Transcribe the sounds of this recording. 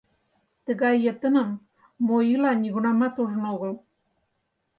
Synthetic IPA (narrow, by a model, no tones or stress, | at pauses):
t̪ə̆ɣɑjːə̆t̪ə̆nə̆mː | ojilɑnʲiɣunɑmɑt̪uʒənoɣə̆l